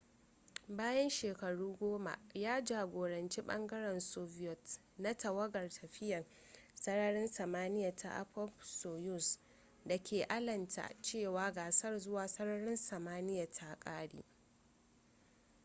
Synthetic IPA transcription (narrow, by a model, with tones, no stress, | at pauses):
baː˦jɐ˦nʃeː˨kɐ˨ɽuː˦ɡʷoː˦ma̰˨ʔjaː˦d͡ʒaː˨ɡʷoː˨ɽɐ˨nt͡ʃi˦ɓɐ̰˦ŋɡɐ˦ɽɛ˨nsɔ˦vɪ˦jɔ˨t | na˦tɐ˨wɐ˦ɡɐ˨rtʰɐ˨ɸɪ˦jɐ˨r | sɐ˦ɽɐ˦ɽɪ˦nsɐ˨maː˦nɪ˦ja˨tʰa̰˨ʔa̰˦ɸɔ˦pso˨jʊ˦˨s | da˨kʲʰeː˨ʔa˦lɐ˨ntʰa̰˨t͡ʃeː˦˨waː˦ɡaː˨sɐ˦rzʊ˦waː˨sɐ˦ɽɐ˦ɽɪ˦nsɐ˨maː˦nɪ˦ja˨tʰa˨kʼaː˦ɽḭː˦